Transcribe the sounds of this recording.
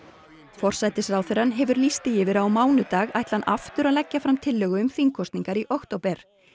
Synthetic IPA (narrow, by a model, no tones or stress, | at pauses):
fɔr̥sajt̪ɪsrawθʏɾanɦɛvʏɾlist̪ɪjɪvɪɾawmaːwnʏt̪aːɣajht̪lanʔa̰ft̪ʏɾaðlɛcːafɾamt̪ʰɪlːœːɣʏʏmθiŋkʰɔst̪niŋkaɾiʔɔxt̪oːwpɛɾ̥